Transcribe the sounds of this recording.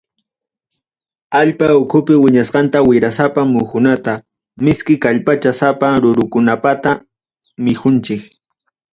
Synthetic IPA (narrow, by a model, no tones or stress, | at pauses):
aʎpaʊkʰʊpɪwɪɲasqɑnt̪awɪɾasapamʊkʊnat̪a | mɪskɪkaʎpat͡ʃasapaɾʊɾʊkʊnapat̪a | mɪxʊnt͡ʃɪk